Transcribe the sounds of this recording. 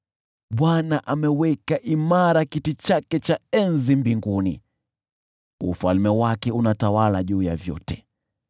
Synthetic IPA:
ɓwanaʔamɛwɛkaʔimaɾakitit͡ʃakɛt͡ʃaɛnzimbiŋɡunḭ | ufalmɛwakɛunatawalaʄuːjavjɔ̰tɛ̥

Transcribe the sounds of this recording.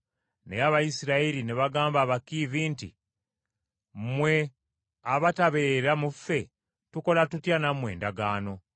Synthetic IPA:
neaβajisiɾaiɾineβaɡaːmbaːβakiviːntḭ | mwe̞ | aβataβeːɾamufːe̞ | tuko̞latutjanamwe̞ːndaɡaːno̞

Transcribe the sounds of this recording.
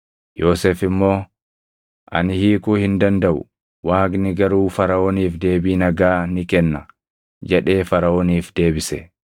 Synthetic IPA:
jo̞ːseːfɪmːo̞ː | ʔɐ̰nɪhiːkʊːhɪnd̪ɐnd̪ɐʔʊ̰ | waːɡnɪɡɐɾuːfɐɾɐʔoːniːfd̪e̞ːbiːnɐɡaːnɪkɛnːɐ | d͡ʒɛᶑe̞ːfɐɾɐoːniːfd̪e̞ːbɪsɛ

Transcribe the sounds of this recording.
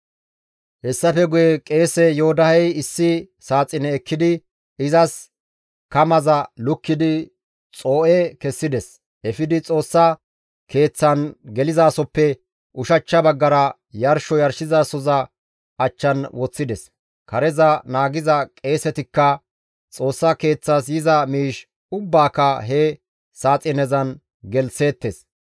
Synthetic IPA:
hɛsːɐfɛɡʊjɛkʼe̞ːsɛjɔɔd̪ɐhɛjɪsːɪ | saːt͡sʼːɪnɛːkʰːɪd̪ɪ | ɪzɐs | kɐmɐzɐlʊkːɪd̪ɪ | t͡sʼo̞ːʔɛkɛsːɪd̪ɛs | ɛfɪd̪ɪt͡sʼo̞ːsːɐ | ke̞ːt͡sːɐnɡɛlɪzaːsɔpːɛ | ʔʊʃɐt͡ʃːɐbɐɡːɐɾɐ | jɐɾʃɔjɐɾʃɪzaːsɔzɐ | ʔɐt͡ʃːɐnwɔt͡sːɪd̪ɛs | kɐɾɛzɐnaːɡɪzɐkʼe̞ːsɛt̪ɪkːɐ | t͡sʼo̞ːsːɐke̞ːt͡sːasjɪzɐmiːʃ | ʊbːaːkɐɦɛ | saːt͡sʼɪnɛzɐn | ɡɛlse̞ːt̪ːes

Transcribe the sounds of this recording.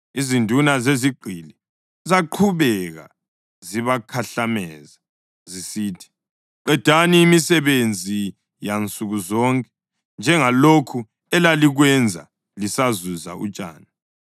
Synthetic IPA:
izindʱunazeziɡ͡ǃʱili | zaǃʰuβɛɣa̰ | ziβakʰaɬamɛ̰ːza | zisiːtʰi̥ | ǃɛd̥ʱaniːmisɛβend͡zʱi | jant͡sʼuɣuzɔŋkʼɛ̥ | nd͡ʒʱɛŋalokʰu | ɛlaliɣwɛnd͡zʱa̰ | lisazuza̰ṵt͡ʃʼa̰ːna

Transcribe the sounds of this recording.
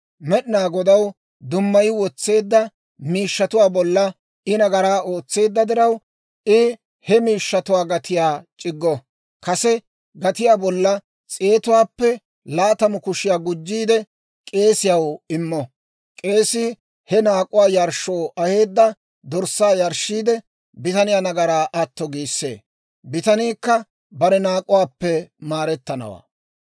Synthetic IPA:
mɛɗɪnaːɡɔd̪ɐw | d̪ʊmːɐjɪwɔt͡sːe̞ːd̪ːɐ | miːʃːɐt̪ʊwaːbɔlːɐ | ɪnɐɡɐɾaːoːt͡sːe̞ːd̪ːɐd̪ɪɾɐw | ɪ | hɛmiːʃːɐt̪ʊwaːɡɐt̪ɪjaːt͡ʃʼɪɡːɔ | kɐsɛ | ɡɐt̪ɪjaːbɔlːɐ | t͡sʼe̞ːt̪ʊwaːpːɛ | laːt̪ɐmʊkʊʃɪjaːɡʊd͡ʒːiːd̪ɛ | kʼe̞ːsɪjɐwɪmːɔ | kʼe̞ːsiː | hɛnaːkʼʊwaːjɐɾʃːoːʔɐhe̞ːd̪ːɐ | d̪ɔɾsːaːjɐɾʃːiːd̪ɛ | bɪt̪ɐnɪjaːnɐɡɐɾaːʔɐt̪ːɔɡiːsːḛː | bɪt̪ɐniːkːɐ | bɐɾɛnaːkʼʊwaːpːɛmaːɾɛt̪ːɐnɐ̰wa̰ː

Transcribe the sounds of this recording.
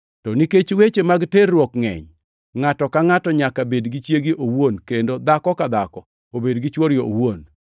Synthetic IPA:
tɔniket͡ʃwet͡ʃemaɡterːwɔkŋɛ̰ɲ | ŋatɔkaŋatɔɲakabedɡit͡ʃjeɡiʔowonkendod̪akɔkad̪akɔ | obedɡɪt͡ʃwɔɾjoowon

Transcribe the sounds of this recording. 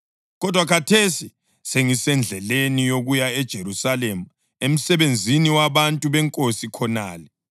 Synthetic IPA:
ɣɔdʱwakʰatʰesi | seŋisɛnd͡ɮʱɛlenijoɣujaɛd̥ʒ̥ʱeɾusalemu | em̩sɛβend͡zʱiniwaβantʼuβɛŋkʼosikʰɔnaːlɛ

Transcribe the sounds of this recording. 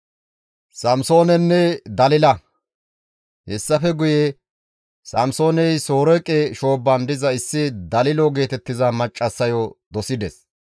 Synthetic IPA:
sɐmso̞ːnɛnːɛd̪ɐlɪlɐ | hɛsːɐfɛɡʊje | sɐmso̞ːnɛjso̞ːɾɔkʼːeʃo̞ːbːɐnd̪ɪzɐɪsːɪd̪ɐlɪloɡe̞ːt̪ɛt̪ːɪzɐmɐt͡ʃʼːɐsːɐjɔd̪ɔsɪd̪ɛs

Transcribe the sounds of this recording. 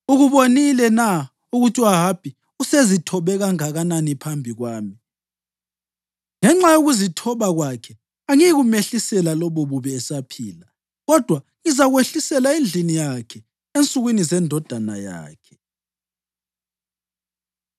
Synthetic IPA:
uɣuβonilɛna | uɣutʰʼiwaɦapʰʼi | usezitʰɔβɛɣaŋaɣananipʰambʱiɣwaːmi | ŋɛŋ͡ǁajoɣuzitʰɔβaɣwakʰɛ | aŋiɣumeɬisɛlalɔβɔβuβɛːsapʰḭːla | ɣɔd̥ʱwa | ŋizaɣweɬisɛlaend͡ɮʱinijakʰɛ | ent͡sʼuɣwinizɛndʱɔd̥ʱana̰ja̰ːkʰɛ̥

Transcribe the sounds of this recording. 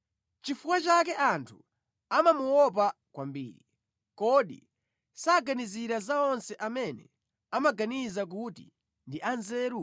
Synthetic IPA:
t͡ʃifukwat͡ʃak̬ɛʔantʰu | amamuwɔp̬akwambḭːɾi | kɔɗḭ | saɡaniziɾazaɔnsɛʔamɛnɛ̰ | amaɡanizak̬utḭ | ndiʔanzɛːɾu

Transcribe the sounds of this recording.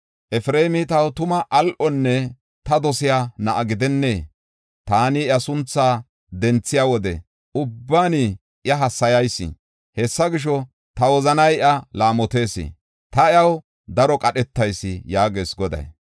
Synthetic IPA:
ʔɛfɾeːmɪt̪ɐwt̪ʊmɐʔɐlʔɔnːɛ | t̪ɐd̪ɔsɪjaːnɐʔɐɡɪd̪ɛnːeː | t̪aːnɪjɐsʊnt͡sːaː | d̪ɛnt͡sːɪjaːwɔd̪ɛ̰ | ʔʊbːaːni | ʔjɐɦɐsːɐjɐjsːɪ̰ | hɛsːɐɡɪʃ̬ɔ | t̪ɐwɔzɐnɐjʔɐlaːmɔt̪e̞ːsɪ̰ | t̪ɐjɐw | d̪ɐɾɔkʼɐɗɛt̪ːɐjsːɪjaːɡe̞ːsɡɔd̪ɐ̰j

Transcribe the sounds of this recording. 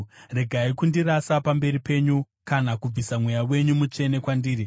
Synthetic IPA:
re̞ɡʱaikundiɾasapambe̞ɾipe̞ɲu | kanakub͡visamwejawe̞ɲumut͡ʃe̞ne̞kwandiːɾi

